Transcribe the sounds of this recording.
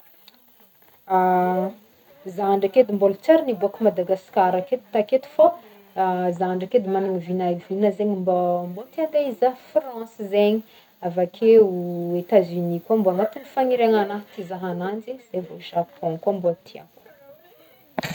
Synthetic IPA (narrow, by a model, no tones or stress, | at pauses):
a | zaɳɖ͡ʐaked̪imbolut͡saɾinibuakumad̪aɡaskaɾaket̪u̥t̪aket̪u̥fo | zaɳɖ͡ʐaked̪imanaŋivinavinəzeɲimbambot̪iaŋɡ̪aizafrɑ̃sizeɲi | avakʰeuet̪azynikamboaŋat̪inifaŋiɾeŋanat̪izaɦanand͡ziz̥evoʒapʰɔ̃kambot̪ʰiã̰ŋku